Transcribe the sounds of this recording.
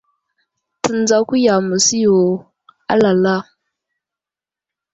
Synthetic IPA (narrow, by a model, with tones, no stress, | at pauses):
tə˨n˦d͡za˦ku˦ja˨mu˨si˦jo˨ | a̰˦la˨la˦